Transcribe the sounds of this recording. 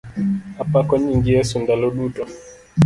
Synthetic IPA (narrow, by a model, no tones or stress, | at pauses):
apakɔɲiŋɡiɛsundalɔɗutɔ